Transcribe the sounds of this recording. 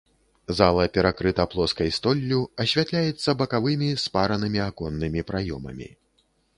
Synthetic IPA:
zalˠɐpʲɛɾakɾɨt̪ɐplˠɔskɐjst̪ɔlʲːuɐɕʲvʲat̪lʲajɛt̪sːɐbɐkavɨmʲispaɾɐnɨmʲiakɔnːɨmʲipɾajɔmɐ̰mʲḭ

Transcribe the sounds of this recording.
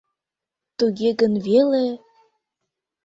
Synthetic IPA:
t̪uɣeɣə̆nvele

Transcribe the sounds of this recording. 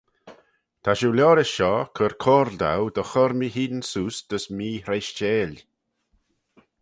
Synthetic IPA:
t̪ʰaʃulʲɔːɾɪsʃɔkʰəɾkʰoːɾld̪a̰wd̪əxɔɾmihiːdnsuːsd̪̥əsmiːɾejʃt͡ʃeːlʲ

